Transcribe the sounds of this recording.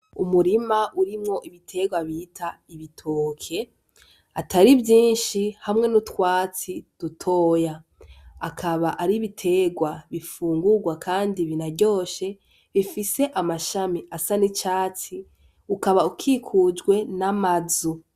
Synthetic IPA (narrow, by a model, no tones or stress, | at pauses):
umuɾimaʔuɾimŋo̞ʔiβitʰe̞ɡwaβitʰa | iβitʰo̞ːkʰe̞ | ataɾivjiːnʃihamŋe̞nutwaːt͡sid̥utʰo̞ːjaː | kʰaβaʔaɾiβitʰe̞ɡwaβifuːŋɡuɡwakʰaːndiβinaɟo̞ːʃe̞ | βifise̞ʔamaʃamiasanit͡ʃaːt͡si | ukaβaukʰikʰud͡ʒɡwe̞namazu